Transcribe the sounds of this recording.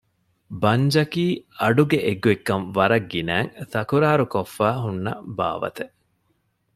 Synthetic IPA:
bɐɲd͡ʒɐkiːɐɖuɡeʔeɡuekːɐnʋɐɾɐɡːinæːŋθɐkuɾaːɾukofːæːɦunːɐ̰ba̰ːʋɐ̰t̪e

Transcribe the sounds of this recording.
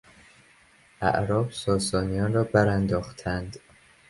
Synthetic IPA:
ʔæ̰ʔɾɒːbsɒːsɒːnijɒːnrɒːbæɾænd̪ɒːxt̪ʰænd̪

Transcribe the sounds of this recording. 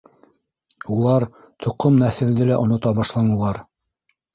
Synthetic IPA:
ulˠɑɾ | t̪ʰŏqomnæθɘ̆ld̪ɘlæʔŏnŏt̪ɑbɑʃlˠɑnɤ̆lˠɑɾ

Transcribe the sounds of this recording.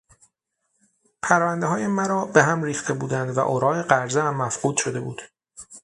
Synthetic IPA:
pʰæɾvænd̪eɦɒːjemæɾɒːbe̞ɦæmɾiːxt̪ʰe̞buːd̪ænd̪væ̰ʔoɾɒːeɢæɾzehæmːæfɢuːd̪̥ʃo̞d̪e̞buːd̪̥

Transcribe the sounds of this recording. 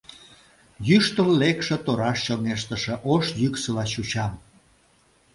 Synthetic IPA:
jyʃt̪əllekʃĕt̪oɾɑʃɕoŋeʃt̪əʃĕʔoʃjyksəlɑɕut͡ɕɑm

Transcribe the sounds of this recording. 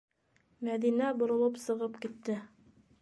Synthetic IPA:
mæðinæbŏɾŏlˠɤpsɤ̆ʁɤpkit̪ːɘ

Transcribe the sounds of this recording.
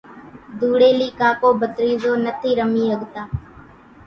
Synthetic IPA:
d̪uːɽeːliːkaːkoːbʱət̪ɾiːzoːnət̪ʰiːɾəmiːɦəɡt̪aː

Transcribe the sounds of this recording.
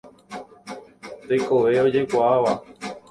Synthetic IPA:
t̪eko̞ʋe̞o̞d͡ʒe̞kʷaaʋa

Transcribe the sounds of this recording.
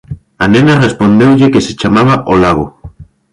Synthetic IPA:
anẽnarespond̪ewʎekeset͡ʃamaβaʔolaɣ̞o

